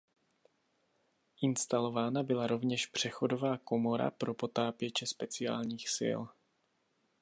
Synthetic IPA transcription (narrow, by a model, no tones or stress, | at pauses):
ʔɪnst̪alo̞vaːnabɪlaɾo̞vɲɛʃpr̝̥ɛxo̞do̞vaːko̞mo̞ɾa̰pɾo̞po̞t̪aːpjɛt͡ʃɛspɛt͡sɪa̰ːlɲiːxsɪ̰l